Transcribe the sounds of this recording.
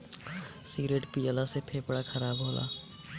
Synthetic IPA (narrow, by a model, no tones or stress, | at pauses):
siɡɾeːʈpijəlasepʰeːpɽakʰɐɾaːbɦoːlʔa̰ː